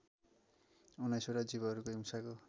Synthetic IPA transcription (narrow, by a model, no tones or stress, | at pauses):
unajsoɾad͡ziβʌɦʌɾukoɦimsako